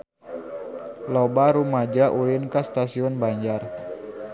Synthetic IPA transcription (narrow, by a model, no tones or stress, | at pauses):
lobaɾumad͡ʒaʔulinkast̪asiɔnbaɲd͡ʒar